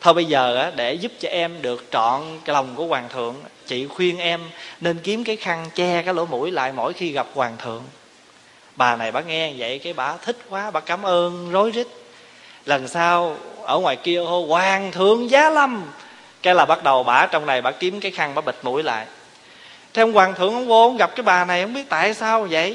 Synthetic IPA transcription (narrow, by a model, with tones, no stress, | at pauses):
t̪ʰo˧jɓə˧jzəː˨˩ʔaː˨˦ɗe˧˩zu˦˥p̚t͡ɕɔ˧ʔɛ˧mɗɨ˨˩ək̚t͡ɕɔ̰˧˨nlə˨˩wŋ͡mku˧˩əkwaː˨˩ŋt̪ʰɨ̰˨əŋt͡ɕḭ˧˨xwi˧ənʔɛ˧mne˧nki˨˦əmkaː˨˦jxa˧ŋt͡ɕɛ˧kaː˨˦˥lo̰˧˦mṵ˧˩˥jla̰ː˧˨jmo̰˧˥jxi˧ɣa˨˩p̚kwaː˨˩ŋt̪ʰɨ̰˨əŋ | ɓaː˨˩na˨˩jɓaː˧˦ŋɛ˧və̰˧˨jkaː˨˦jɓaː˧˩t̪ʰï˦˥k̟̚kwaː˨˦ɓaː˧˦kaː˨˦mʔəː˧nzo˨˦jzi˦˥k̟̚ | lə˨˩nsaː˧wʔəː˧˩ŋwa̰ː˨˩jki˧ət̪ʰo˧jkwaː˨˩ŋt̪ʰɨ˧˨əŋzaː˨˦lə˧m | kɛ˧˦laː˨˩ɓa˦˥t̚ɗə˨˩wɓaː˧˩t͡ɕɔ˧wŋ͡mna˨˩jɓa̰ː˧˦ki˨˦əmkaː˨˦jxa˧ŋɓaː˧˦ɓi˨˩t̟̚mṵ˧˥əjla̰ː˧˨j | t̪ʰɛ˧wŋ͡mkwaː˨˩ŋt̪ʰɨ˨əŋhɔ˧˦wŋ͡mo˧˦nŋ͡mɣa˨˩p̚kaː˨˦jɓaː˨˩na˨˩jhə̰˧˦ŋ͡mɓi˦˥ət̚t̪a̰ː˧˨jsaː˧wzə̰˧˨j